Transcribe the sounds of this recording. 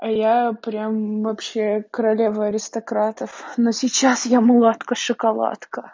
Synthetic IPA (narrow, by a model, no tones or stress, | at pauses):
ɐjapɾʲamvɐpɕːekəɾɐlʲevəɐɾʲɪst̪ɐkɾat̪əfnosʲɪt͡ɕasjamlˠat̪kəʂɨkɐlˠa̰t̪kə